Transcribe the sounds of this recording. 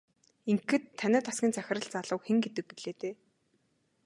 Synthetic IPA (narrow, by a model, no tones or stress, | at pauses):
iŋkːɘ̆t̪ʰːanʲæːt̪asɡʲiːnt͡sæxʲɪ̆rə̆ɮt͡saɮə̆wxĕŋɡet̪ɘ̆k̚ːiɮeːt̪eː